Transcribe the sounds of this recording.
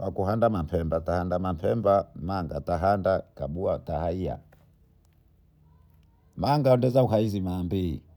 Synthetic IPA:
wakuɦandamapʰɛmbatahandamapʰɛmbamaŋɡataɦandakaɓuatahaia̰ | maŋɡaɔndɛzauɦaizimambḭ

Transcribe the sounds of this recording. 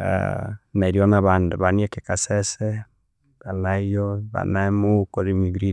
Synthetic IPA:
a̰naɾjonaβandeβaniɛkekasɛsɛ | βalaijoβa̰namukoɾimiɡɾi

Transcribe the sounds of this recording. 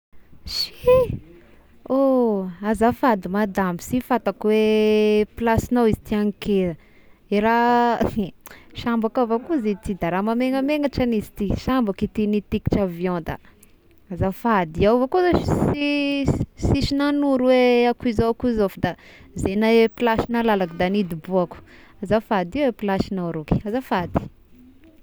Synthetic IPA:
ʃi | oazafad̪imad̪amisifat̪akweplasinowizit̪iaŋikezə | eɾa | ʃambakavakuzit̪id̪aɾamameŋəmeŋaʈ͡ʂanizit̪iʃambakit̪init̪iki̥ʈ͡ʂavjɔ̃nd̪ə̰ | azafad̪iawvokozasi | siʃinanuɾweakuizakuzofad̪a | zenaepilaʃinalalakid̪anid̪ibuaku̥ | azafad̪iwepilaʃinawɾuki̥azafad̪i̥

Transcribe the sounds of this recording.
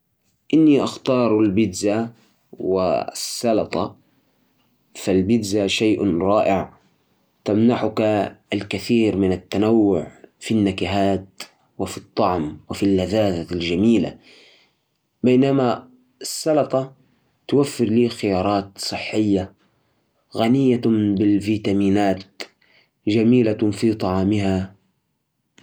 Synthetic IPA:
ʔɪnːiʔaxt̪ɑːɾˤalbɪd̪za | wɪ̰sːɑlɑt̪ˤɑ̰ | falbɪd̪zaʃaːʔɾˤɑːʔɪʕ | t̪amnaħʊkalkaθiːɾmɪnat̪ːanawːʊʕfinːakɪɦaːt̪ | wɪfit̪ˤːɑʕmwɪfilːaðaːðalʒamiːla̰ | bajnama | ɪsːɑlɑt̪ˤɑ | t̪ʊwafːɪɾliːxɪjɑːɾˤɑːt̪sˤɨħːɪjːa | ɣanɪjːabɪlviːt̪amiːnaːt̪̚ | d͡ʒamiːlafit̪ˤɑʕɑːmɪɦa

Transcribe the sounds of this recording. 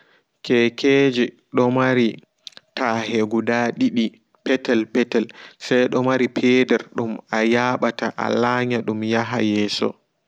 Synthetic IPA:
kʰɛkʰeːd͡ʒi | ɗɔmaɾi | taheɡudaɗiɗi | pɛtɛlpɛtɛlsajɗɔmaɾipʰɛːdɛɾɗumajaɓataʔa̰laːɲaɗumjaɦa̰jɛːsɔ̰

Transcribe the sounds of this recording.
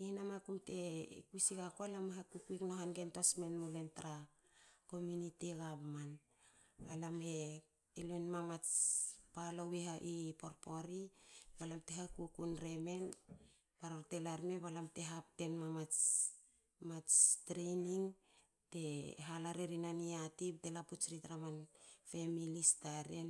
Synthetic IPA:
inamakumte̞kuisikakoalameɦakukuiknoɦanɡentosme̞nmule̞ntɾa | ko̞muniteɡapman | alame̞ː | loenmamat͡spalowiɦaʔipo̞ɾpo̞ɾibalamte̞ɦakukunɾe̞me̞n | paɾoɾte̞laɾme̞βalamte̞ɦap̚te̞nmamat͡ʃ | mat͡ʃtɾeniŋ | te̞ɦalaɾeɾinaniatip̚te̞laput͡ʃɾitɾamanfe̞milistaɾen

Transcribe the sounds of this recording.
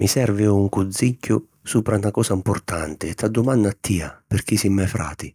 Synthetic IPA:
misɛrvɪuŋkud̪zːicːʊ | suːpɾanakɔːsaimpʊrt̪a̰nt̪ɪt̪ːad̪ːʊmanːaːt̪ʰːiːa̰pɪrk̟isimːajfɾa̰ːt̪i

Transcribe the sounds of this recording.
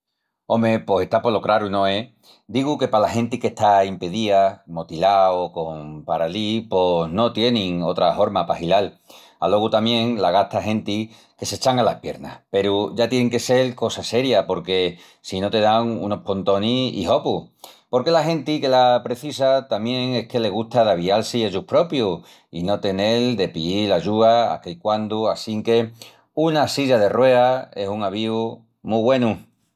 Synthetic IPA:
o̞mepo̞se̞ht̪apo̞lo̞kɾaɾunõ̞e̞ | d̪iɣuke̞palahẽ̞nt̪ike̞ht̪aimpeðiamo̞t̪ilaoko̞mpaɾalipo̞no̞t̪je̞nĩŋo̞t̪ɾaho̞ɾmapahilal | a̰lo̞ɣut̪amjẽ̞ŋlaɣat̪aɦe̞nt̪i | ke̞se̞t͡ʃaŋalahpje̞ɾna̰hpe̞ɾuʝat̪je̞neŋke̞se̞lko̞sase̞ɾjapo̞ɾke̞ | sino̞t̪e̞ðaŋṵno̞hpo̞nt̪o̞niḭho̞pupo̞ɾke̞laɦẽ̞nt̪ike̞lapɾe̞θisat̪amjẽ̞ŋe̞hke̞le̞ɣ̞uht̪aðaβ̞ialsieʝuhpɾo̞pju | ino̞t̪e̞ne̞ld̪e̞piilaʝuaa̰keikwand̪uasiŋke̞ | unasiʎað̞e̞rwe̞ae̞suŋaβiu | muβwe̞nu

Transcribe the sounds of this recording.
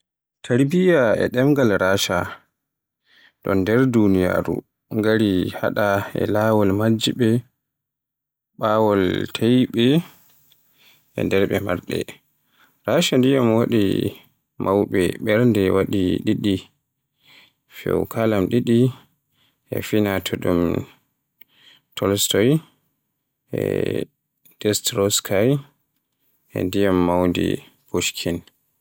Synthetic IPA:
tʰaɾbijaɛ̰ɗɛmɡalɾaːʃa | ɗɔndɛɾdunija̰ɾṵ | ŋɡaɾiha̰ɗaɛ̰lawɔlmad͡ʒːiɓɛ | ɓaːwɔltʰajɓɛ | ɛ̰ndɛɾɓɛmaɾɗɛ̰ | ɾaʃandijamwaɗḭ | mʔawɓɛɓɛɾndɛwaɗiɗiɗi | fɛ̰wkʰalamɗiɗi | ʔɛ̰finatʰɔɗum | tʰɔlstɔj | ɛ̰ | d̥ɛstɾɔskʰaj | ɛ̰ndijamːawndḭ | koʃkʰin

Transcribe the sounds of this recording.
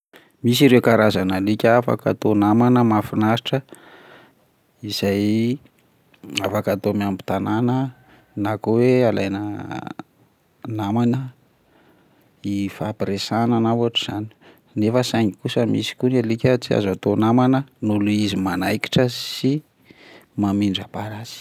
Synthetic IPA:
mis̬iɾewkaɾazanalikʲafa̰ka̰t̪onamanəmafinaʃiʈ͡ʂə | iz̥aj | afakat̪omiambu̥t̪ananə | nakoweala̰jnə̰ | namanə | ifapɾesananawaʈ͡ʂuz̥ani̥ | nefəsaŋikusəmisi̥kunelikʲət͡sia̰zat̪onamanənuluizimanajki̥ʈ͡ʂəsi | mamiɳɖ͡ʐapaɾasi̥

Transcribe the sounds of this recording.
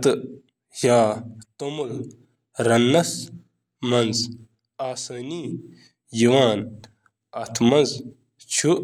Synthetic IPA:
t̪ɨ | jaːt̪omul | ɾɐnːɐs | mɐnz | aːsɐniː | jiwaːn | ɐt̪ʰmɐnz | t͡ʃʰu

